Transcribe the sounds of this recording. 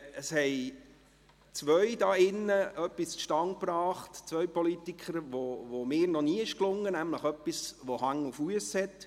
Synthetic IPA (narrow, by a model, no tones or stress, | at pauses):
əshɛɪ | t͡sʋœɥdɑːɪnːəʔœpːisʃtɑŋ̚pɾɑːχtt͡sʋœɥpɔlitikχəɾʋoʋomɪːɾnɔniːɪʃklʊŋːənæmləχœpːisʋɔhɑŋufuəshɛt